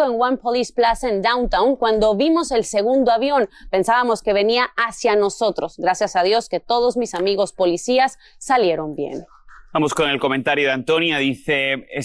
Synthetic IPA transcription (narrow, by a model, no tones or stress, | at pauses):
oeŋɡwampolisplasaend̪awnt̪awŋkwand̪o̞βimose̞lse̞ɣund̪oaβjo̞npe̞nsaβamo̞ske̞β̞e̞niaasjano̞so̞t̪ɾo̞zɣɾasjasaðjo̞ske̞t̪o̞ð̞o̞zmisamiɣo̞spo̞lisiasː | alje̞ɾo̞mbjḛn | bamoskone̞lko̞ment̪aɾjoðeant̪onjaðiθee